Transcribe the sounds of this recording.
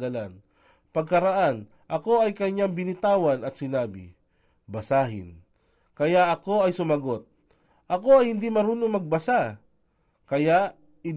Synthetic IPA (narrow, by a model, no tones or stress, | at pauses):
ɐlan | pɐɡ̚kɐɾɐʔan | ʔɐko̞ɐjkɐɲaŋbɪnɪt̪aːwɐnɐt̪sɪnaːbɪ̰ | bɐsaːɦɪ̰n | kɐjaʔɐko̞ɐjsʊmɐɡot̪̚ | ʔɐko̞ɐjhɪnd̪imɐɾuːnoŋmɐɡ̚bɐsa | kɐjaʔ | ɪ